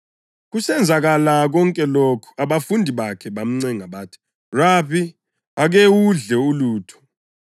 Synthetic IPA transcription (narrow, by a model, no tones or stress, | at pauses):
k̬usɛnd͡zʱak̬alak̬ɔŋkʼɛlokʰu̥aɓafundʱiɓakʰɛɓam̩ŋ͡ǀɛŋaɓaːtʰi̥ | rapʰi | ak̬ewuɮɛuluːtʰɔ̥